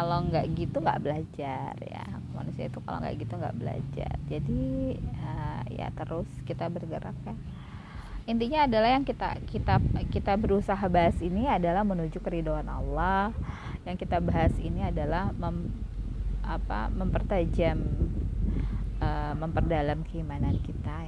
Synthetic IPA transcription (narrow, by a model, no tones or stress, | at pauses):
kaloŋɡaʔɡit̪uŋɡa̰ʔbəlad͡ʒarja̰kma̰nusia̰it̪uka̰lo̰ŋɡa̰ʔɡit̪uŋɡa̰ʔbəla̰d͡ʒa̰rd͡ʒadiəja̰t̪əɾʊskit̪abərɡəɾa̰k̚ja | int̪iɲaːdalahjaŋkit̪a̰kit̪akit̪abəɾusaɦabaɦasiniadalahmənud͡ʒʊkəɾidoana̰lah | jaŋkit̪abaɦasḭniadalahməm | apa̰məmpərt̪ad͡ʒam | əːməmpərdalamkəimanankit̪a